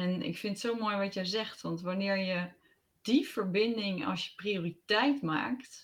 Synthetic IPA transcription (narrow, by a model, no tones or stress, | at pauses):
ɛnɪ̰kfɪnətsowmojʋɑtjəjzɛχtʋɑntʋanɪːɹjə | d̥ifəɹbɪndɪŋɑ̰sjə̥prioːritɛjtma̰ːkt